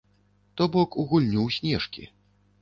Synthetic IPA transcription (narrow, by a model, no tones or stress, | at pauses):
t̪ɔbɔkuɣulʲnʲuwsʲnʲɛʂkʲḭ